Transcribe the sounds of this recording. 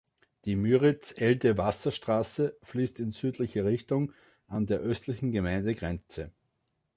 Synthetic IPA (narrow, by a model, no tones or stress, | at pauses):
d̥iːmyːʁɪt͡sʔɛltəvasɐʃtʁ̥aːsəfliːstɪnzyːtlɪçəʁɪçtʊŋ | ʔandeːɐʔœstlɪçn̩ɡəmæɪndəɡʁɛnt͡sə